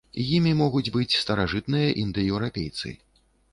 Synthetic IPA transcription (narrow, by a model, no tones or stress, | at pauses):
jimʲimɔɣud͡zʲbɨt͡sʲst̪ɐɾaʐɨt̪nɨjɐʔind̪ɨjɛwɾapʲejt̪sɨ̰